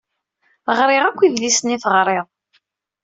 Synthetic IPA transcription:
ʁɾˤɪʁækʷːiðlisniθəʁɾˤeðˤ

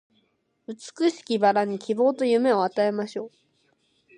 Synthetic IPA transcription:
ɯt͡sɨ̥kɯ̟ɕi̥kʲibaɾaɲ̟ikʲibo̞ːt̪o̞jɯ̟me̞o̞at̪ae̞maɕo̞ː

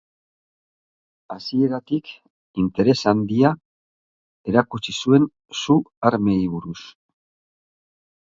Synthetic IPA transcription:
asie̞ɾat̪ik | int̪e̞ɾe̞sand̪ia | e̞ɾakut͡sisue̞n | suaɾme̞iβuɾus

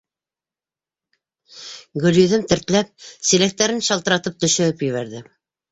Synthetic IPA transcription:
ɡɵ̆ljɵ̆ðɘmt̪ɘ̆ɾt̪læp̚silæk̚t̪ːæɾɘnʃɑlˠt̪ɤ̆ɾɑt̪ɤp̚t̪ɵ̆ʃɵ̆ɘpjɵ̆βæɾðɘ

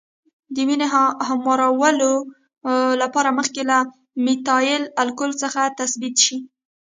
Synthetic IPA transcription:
d̪əwinehamwɑɾawəlo | lapɑɾaməxkela | mɪt̪ɑjɪlalkʊlt͡səxat̪asbit̪ʃi

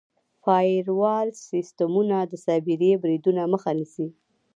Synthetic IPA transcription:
fɑɾwɑlsist̪amunad̪əsɑbiɾebɾid̪unaməxanisi

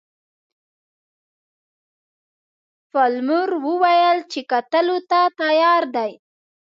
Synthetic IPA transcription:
falmʊɾwəwajəlt͡ʃekat̪əlot̪at̪ajɑɾd̪aj

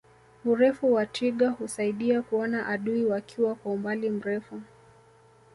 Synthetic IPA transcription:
uɾɛfuwatʰiɠahusaiɗiakuɔnaʔaɗuiwakʰiwakwaumbalim̩ɾɛfu

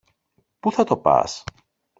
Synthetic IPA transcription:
puθɐt̪o̞pɐ̰s

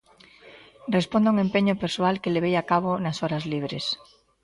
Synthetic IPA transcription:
respond̪auŋempeɲopeɾsoalkeleβ̞ejakaβ̞onasɔɾazliβɾḛs

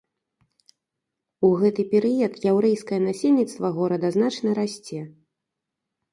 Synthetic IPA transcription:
uɣɛt̪ɨpʲɛɾɨjɐt̪jawɾɛjskɐjɐnasʲelʲnʲit̪st̪vɐɣɔɾɐd̪ɐznat͡ʂnɐɾasʲt͡sʲɛ

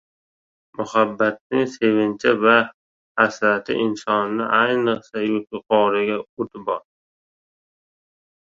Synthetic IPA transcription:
mʊhabːat̪̚nɪŋse̞vɪnt͡ʃʰɪva | hasɾat̪ʰɪ̰ʔɪnsɒnnɪʔajnɨqsajʊt̪ʰʊqʰɒɾɪɡʲaot̪ʰɪbɒɾ

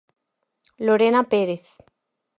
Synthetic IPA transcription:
loɾenapeɾeθ

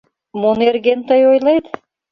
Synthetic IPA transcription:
monerɣent̪əjojlet̪

